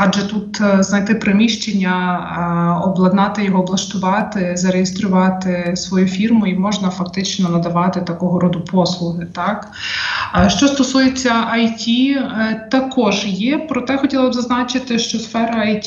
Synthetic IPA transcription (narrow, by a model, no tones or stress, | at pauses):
ɑʒɛt̪ut̪znɐjt̪ɪpɾemʲiʃt͡ʃenʲːɐ | ɔblˠɐd̪nɑt̪ɪjɔɦɔːblˠɐʃt̪ʊʋɑt̪ɪzɐɾejest̪ɾʊʋɑt̪ɪsʋɔjufʲirmʊimɔʒnɐfɐkt̪ɪt͡ʃnɔnɐd̪ɐʋɑt̪ɪt̪ɐkɔɦɔɾɔd̪ʊpʰɔslˠʊɦɪt̪ɑk | ʃt͡ʃɔst̪ɔsujet͡sʲːɐʔɐjtʲit̪ɐkɔʒjɛpɾɔt̪ɛxɔtʲilˠɐbzɐznɑt͡ʃɪt̪ɪʃt͡ʃɔsfɛɾɐɐjtʲ